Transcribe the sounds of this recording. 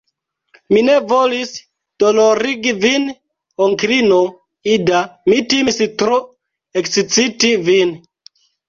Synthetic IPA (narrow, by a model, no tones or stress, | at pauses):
mine̞volis | d̥oloɾiɡivin | oŋkɾino | idamitimstɾo | eksit͡sitivin